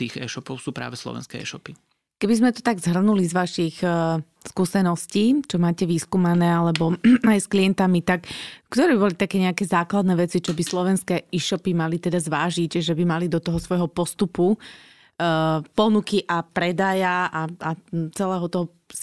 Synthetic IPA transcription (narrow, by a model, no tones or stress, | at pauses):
t̪iːɣɛ̰ːʃɔpɔʊsuːpɾa̰ːʋɛslɔ̰ʋɛ̰nskɛɛ̰ːʃɔpi | kɛbizmɛt̪ɔ̥t̪aɡzɦr̩nulizʋaʃix | skuːsɛnɔsciːt͡ʃɔmaːcɛʋiːskumanɛːalɛbɔajskliɛnt̪amit̪akkt̪ɔɾɛbibɔlit̪akɛːɲɛakɛːzaːklad̪nɛʋɛt͡sit͡ʃɔbislɔʋɛnskɛːiːʃɔpimalit̪ɛd̪azʋaːʒiɟʒɛbimalid̪ɔt̪ɔɦɔsʋɔjɦɔpɔst̪upu | pɔnukiʔapɾɛd̪ajaaat͡sɛlɛːɦɔt̪ɔɦɔ